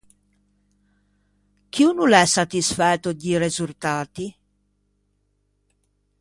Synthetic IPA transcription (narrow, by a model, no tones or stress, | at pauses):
k̟iunulɛsːat̪isfɛt̪ːoɟ̪irezult̪aːt̪i